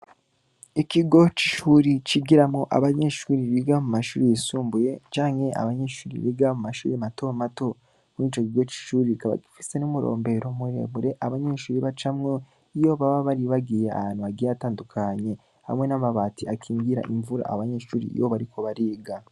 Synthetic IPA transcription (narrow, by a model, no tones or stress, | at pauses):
ikiɡo̞t͡ʃi̥ʃuːɾit͡ʃiɡiɾamŋoʔa̰βaɲe̞ʃuːɾiβiɡamumaʃṵːɾijisuːmbuje̞t͡ʃaːŋhe̞a̰βaɲe̞ʃuːɾḭβiɡamumaʃuːɾimato̞mato̞ | mwiːt͡ʃo̞kiɡo̞t͡ʃi̥ʃuːɾikaβa̰ɡifi̥se̞numuɾo̞̰ːmbe̞ɾomuɾe̞̰βuɾe̞ʔaβaɲe̞ʃuːɾiβat͡ʃamŋo | ijo̞βaβaβaɾiβaɡiːjea̰haːn̥uaɡijataːndukʰaɲe̞ | ha̰mŋe̞namaβaːtiakʰiːŋɡiɾa̰ʔiɱvuɾa̰ːβaɲeʃuːɾḭḭjoβaɾikʰo̞βaɾiːɡa